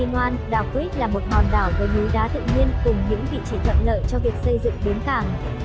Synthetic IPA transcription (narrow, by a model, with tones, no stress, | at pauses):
i˧nwaː˧nɗaː˨˩wki˦˥t̚laː˨˩mo˨˩t̚hɔ˨˩nɗaː˧˩wvəː˨˦ɲu˨˦ɗaː˨˦t̪ɨ̰˧˨ɲi˧ənkʊ˨˩ŋ͡mɲɨ̰˧˥ŋvḭ˧˨t͡ɕi˨˧˦t̪ʰə̰˧˨nlə̰ː˧˨jt͡ɕɔ˧vi˨˩ək̚sə˧jzɨ̰˧˨ŋɓe˨˦nk̪aː˧˩ŋ